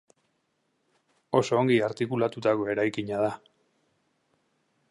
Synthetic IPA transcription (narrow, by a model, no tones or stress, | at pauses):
o̞so̞ːŋɡiaɾt̪ikulat̪ut̪ako̞e̞ɾajkiɲað̞a